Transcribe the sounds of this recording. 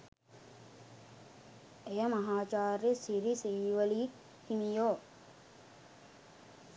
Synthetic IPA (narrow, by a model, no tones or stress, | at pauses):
ejɐmɐɦaːt͡ʃaːɾesiɾisiːʋəli | himijoː